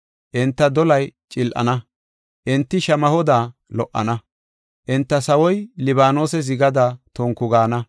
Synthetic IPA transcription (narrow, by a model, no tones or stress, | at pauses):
ʔɪnt̪ːɐd̪ɔlɐjt͡ʃʼɪlʔɐ̰nɐ | ʔɪnt̪ːɪʃɐmɐhɔd̪aːlɔʔːɐ̰nɐ | ʔɪnt̪ːɐsɐwɔjlɪβaːno̞ːsɛzɪɡɐd̪aːt̪ɔŋkʊɡaːnɐ